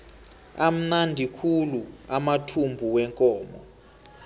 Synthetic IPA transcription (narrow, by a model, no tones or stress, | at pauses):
am̩nandʱikʰuluamatʰumbʱuwɛŋkʼɔːmɔ̰